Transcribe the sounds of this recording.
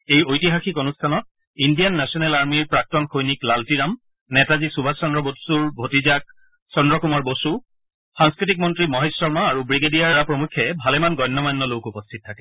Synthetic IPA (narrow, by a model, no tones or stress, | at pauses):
ejojtiɦaxikonustʰanɔt̚ | indijanːɛsɔnɛlaɹmiɹpɹak̚tɔnxojniklaltiɹam | nɛtazisubʱasɔndɹɔbosuɹbʱotizak̚ | sɔndɹɔkumɔɹbosu | saŋskɹitik̚mɔntɹimɔɦesɔɹmaaɹubɹiɡedijaɹapɹomukʰːɛbʱalɛmanɡɔjnːɔmajnːɔlokupɔstʰit̚tʰakɛ